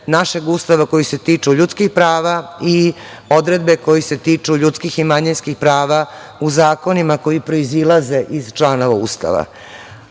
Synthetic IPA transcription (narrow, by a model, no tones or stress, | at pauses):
naʃe̞ɡuːst̪aʋako̞jise̞t̪iːt͡ʂuʎut̪skixpɾaːʋai | o̞d̪ɾe̞d̪̚be̞ko̞jise̞t̪iːt͡ʂuʎut̪skiximaɲinskixpɾaːʋa | uzaːko̞nimako̞jipɾo̞izilˠaze̞ʔizt͡ʃlaːno̞ʋauːst̪a̰ʋa̰